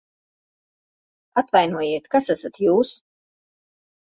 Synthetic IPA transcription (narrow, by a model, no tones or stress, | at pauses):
at̪vajnuɔjiɛt̪kasæsat̪juːs